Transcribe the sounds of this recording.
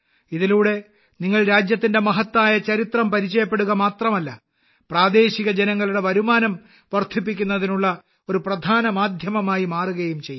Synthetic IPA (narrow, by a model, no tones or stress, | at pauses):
iðiluːɽe̞ | niŋːɐɭɾaːd͡ʑjɐt̪ːinde̞mɐɦɐt̪ːaːjɐt͡ɕɐɾit̪rɐmpɐɾit͡ɕːɐjɐpːe̞ɽuɣɐmaːt̪rɐmɐlːɐ | praːd̪e̞ːɕiɣɐd͡ʑenɐŋːɐɭuɽe̞ʋɐɾumaːnɐm | ʋɐrt̪ʰipːikʲːun̪ːɐðinuɭːɐ | o̞ɾuprɐd̪ʱaːnɐmaːd̪ʱjɐmɐmaːjimaːruɣɐjumt͡ɕejː